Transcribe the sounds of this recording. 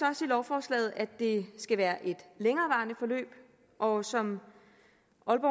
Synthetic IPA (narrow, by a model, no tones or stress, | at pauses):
sɒsid̥ɒʊfɒːslɛ̰ːð̞̩ˠæd̥e̝sɡ̥æʋæːɐʔe̝d̥leŋɐːʋɑ̈ːnəfɒ̽lø̰ːb̥ | ʔɒ̽sɒ̽m | ʔɒ̽lb̥ɒ̰